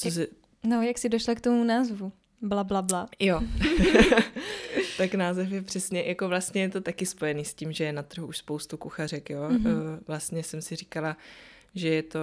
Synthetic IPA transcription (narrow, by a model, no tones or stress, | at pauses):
t͡sos̬ɛ | nojaksɪdoʃlakt̪omunaːzvu | blablablajo | t̪aknaːzɛfjɛpr̥ɛsɲɛjako̞vlast̪ɲɛjɛt̪o̞t̪akɪspo̞jɛniːsciːmʒɛjɛnat̪r̩ɦuuʃspowst̪ukuxar̝ɛkjoːvlast̪ɲɛsɛmsɪrikala | ʒɛjɛt̪o̞